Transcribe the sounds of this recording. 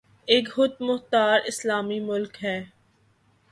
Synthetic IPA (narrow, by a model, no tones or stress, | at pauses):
eːkhʊt̪̚mʊht̪aːɾɪslaːmimʊlkɦɛː